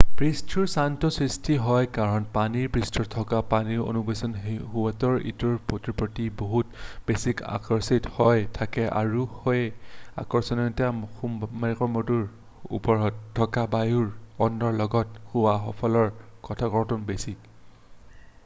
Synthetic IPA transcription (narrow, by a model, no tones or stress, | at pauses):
pɹistʰuɹsantɔsɹistʰiɦɔjkaɹɔnpaniɹpɹistʰɔtʰɔkapaniɹo̰nubesɔnɦuwatɔɹḭtuɹpotɹipɹɔtiboɦutb̥esika̰kɔɹsithɔjtʰakɛʔa̰ɹuhojɛa̰kɔɹsɔnɔntɛxummaxɔɹmɔtuɹ | ṵpɔɹɔtʰːɔkabajuɹɔnːɔɹlɔɡɔthuwaxɔpʰɔlɔɹkɔtʰaɡɔɹtɔnbesik